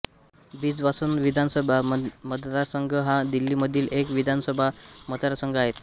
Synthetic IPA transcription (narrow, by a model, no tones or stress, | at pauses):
biːd͡zʋasənʋid̪ʱansəbʱaməd̪ət̪aɾsəŋɡʱəɦãd̪ilːiːməd̪ʱːiːlekʋid̪ʱansəbʱamət̪aɾsəŋɡʱaɦet̪